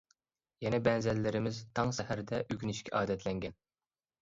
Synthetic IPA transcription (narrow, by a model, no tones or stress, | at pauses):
jɛnɛbɛnzɛlːɪɾɪmɪzt̪ʰɑŋʃɛhæɾd̪ɛʔyɡʲynɪʃkʲʰɛʔɑːd̪ɛt̪ʰlɛŋɡʲɛn